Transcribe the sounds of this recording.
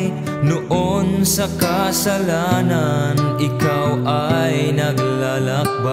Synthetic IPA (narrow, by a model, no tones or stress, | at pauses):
j | nʊʔonsɐkasɐlananɪkawʔajnɐɡlalak̚ba